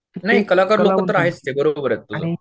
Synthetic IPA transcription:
naɦikəlãkaɾlokət̪əɾaɦest̪ebəɾobəɾet̪t̪ud͡za

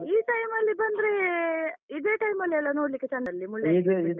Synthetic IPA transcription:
iːʈɐjmɐlːibɐnd̪ɾe | id̪eːʈɐjmɐlːiɛlːɐnoːɽlikːet͡ʃɐnɐlːimuɭjaid̪id̪

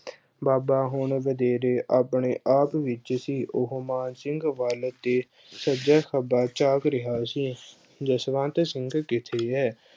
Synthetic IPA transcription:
baːbaːɦʊɳʋəd̪eːɾeːʔaːpɳeːʔaːpʋɪt͡ʃsiːʔʊɦmaːnsɪ̃ŋɡʋaːlət̪̚d̪eː | səd͡ʒɛːkəbaːt͡ʃaːkɾɪɦaːsiː | d͡ʒəsʋãːnt̪sɪŋɡkɪt̪ʰeːɦɛː

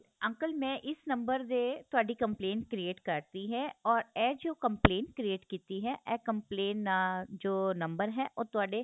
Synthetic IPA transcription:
ɐ̃ŋkəlmɛ̃ʔɪsnɐ̃mbəɾd̪et̪ʊaːɖikɐ̃mpleːnʈkɾieːʈkɐɾt̪iɦɛɔːɾɛːd͡ʒoːkə̃mpleːnkɾieːʈkiːt̪iɦɛʔɛːkə̃mpleːnd͡ʒoːnɐ̃mbəɾɦɛːʔoːt̪ʊaːɖe

